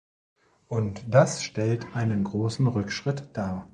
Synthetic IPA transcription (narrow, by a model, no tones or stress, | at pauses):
ʔʊntd̥asʃtɛltʰʔaɪnənɡʁoːsn̩ʁʏkʃʁ̥ɪtd̥aːɐ